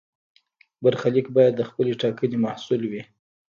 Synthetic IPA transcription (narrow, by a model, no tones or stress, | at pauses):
baɾxalikbɑjad̪ːəxpəleʈɑkənemahsulwi